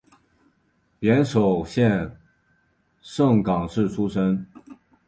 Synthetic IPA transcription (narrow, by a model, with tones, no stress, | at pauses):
pjɛ˧˥nʂo˨˩ʊɕjɛ˥˧n | ʂɤ˥˩ŋkɑ˨˩ŋʂɻ̩˥˩ʈ͡ʂʰu˥ʂə˥n